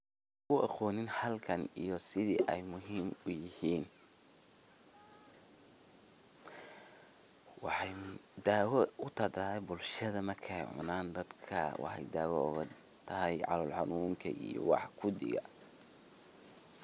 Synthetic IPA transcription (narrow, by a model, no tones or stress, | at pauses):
kʊʔɐqɔːnɪnħɐlkʰɐnijɔsɪðiːʔɛjmʊɦiːmʊjɪhiːn | wɑħɑjd̪aːwɛʊt̪ʰɐd̪aɛjbʊlʃɐðɐmɐrkʰɛjʕʊ̰naːnd̪ɐd̪kʰɐ̰wɑ̰ħɑ̰jd̪aːwɔʊ̰ɣɐ | t̪ʰɐɦɛjʕɑ̰lɔlħɑnuːŋkʰɐ̰ʔḭjɔ̰wɑ̰ħkʰʊd̪ɪ̰ɣɐ̰